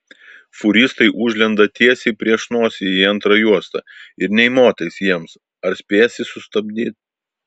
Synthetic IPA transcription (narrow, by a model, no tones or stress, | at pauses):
fʊɾʲɪst̪ɐɪʔʊʒʲlʲɛnd̪ɐt̪ʲiɛsʲɛɪpʲɾʲiɛʃnuɔsʲejiɐnt̪ɾɐjuɔst̪ɐ̰ɪɾnʲɛɪmoːt̪ɐɪsjiɛms | ɐɾsʲpʲeːsʲɪsʊst̪ɐbʲd̪ʲiːt̪̚ʲ